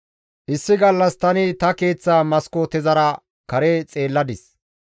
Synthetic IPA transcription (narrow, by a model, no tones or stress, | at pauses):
ʔɪsːɪɡɐlːɐst̪ɐnɪt̪ɐke̞ːt͡sːaːmɐskot̪ɛzɐɾɐ | kɐɾet͡sʼe̞ːlːɐd̪ɪs